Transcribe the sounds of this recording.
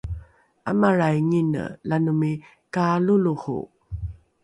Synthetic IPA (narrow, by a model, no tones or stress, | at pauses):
a̰maɾajŋinə̰lanumi | kaluluhṵ